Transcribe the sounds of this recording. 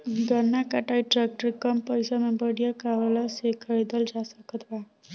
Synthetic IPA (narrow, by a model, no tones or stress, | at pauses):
ɡʌnːakaʈajʈrak̚ʈɾikʌmpʌjsamabʌɽijʌkaʋalasekʰʌɾed̪ʌld͡ʒasʌkʌt̪ʰba